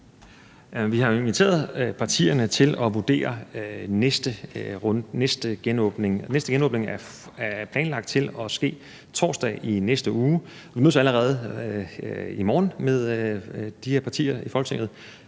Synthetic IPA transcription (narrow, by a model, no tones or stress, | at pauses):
æʋihɑ̈inʋit͡sʰe̝̰ːɐðˠpʰɑ̈t͡sʰḭːɐnət͡sʰe̝lɒ̽ʋud̥e̝̰ːɐnesd̥ə | nesd̥əɡ̥enɔːb̥ne̝ŋnesd̥əɡ̥enɔ̽ːb̥ne̝ŋæɐ | æpʰlɛ̰ːnlɑ̈ɡ̥̚d̥̚t͡sʰe̝lɒ̽sɡ̥e̝̰ː | t͡sʰɒ̰ːsd̥ɛ̰ːʔinesd̥əʔuː | ʋinøð̰ˠsæləʁɛːð̞ˠ | imɒːnmeð̞ˠd̥iheɐpʰɑ̈t͡sʰḭːɐifɒ̽lɡ̥t͡sʰeŋ̰ð̩ˠ